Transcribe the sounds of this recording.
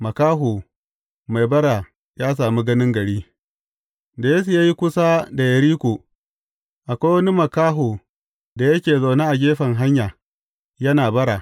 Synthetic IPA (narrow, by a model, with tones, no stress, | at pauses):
mɐ˨kaː˦ɦo˨ | ma˨jbɐ˦ɽa˨ | jaː˦s̬aː˨mi˦ɡɐ˦nɪ˦ŋɡɐ˨ɽiː˦ | da˨jeː˦s̬u˨jaː˦ji˦kʷʊ˦sa˦da˨jɐ˨ɾiː˦kʷoː˨ | ʔa˨kʷaː˦wɐ˦ni˦mɐ˨kaː˦ɦoː˨ | da˨jɐ˦kʲeː˨za˨ne˦ʔa˨ɡʲeː˦ɸɐ˨ŋɦa˦ɲjaː˨ | jɐ˦naː˨bɐ˦ɾa˨